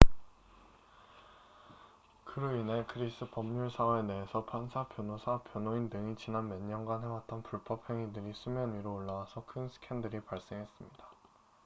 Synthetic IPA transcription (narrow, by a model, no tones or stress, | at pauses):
kʰɯɾɯinekʰɯɾis͈ʰɯpʌmɲuɭsʰawe̞neɦesʰʌpʰansʰapʰjonosʰapʰjʌnoindɯŋit͡ɕinanmeɲːʌnɡanɦe̞wat̚t͈ʌnpuɭpʰʌpʰeŋidɯɾisʰumjʌniɾoːɭːawasʰʌkʰɯnsʰɯ̥kʰendɯɾipaɭs͈e̞ŋɦe̞s͈ɯmɲid̥a